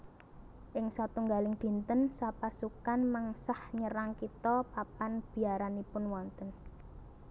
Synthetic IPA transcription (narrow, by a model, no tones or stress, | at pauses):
ʔɪŋsat̪uŋɡalɪŋd̪̥i̤nt̪ənsapasukanmaŋsahɲəɾaŋkit̪ɔpapanb̥i̤aɾanipʊnwɔnt̪ən